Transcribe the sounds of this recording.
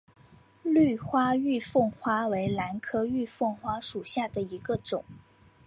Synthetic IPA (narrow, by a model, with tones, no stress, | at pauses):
ly˥˩xwa˥y˥˧fɤ˥˩ŋxwa˥we˧˥ɪla˧˥nkʰɤ˥y˥˧fɤ˥˩ŋxwa˥ʂu˨˩ɕja˥˩d̪ə˩i˧˥ɡə˧ʈ͡ʂʊ˨˩˦ŋ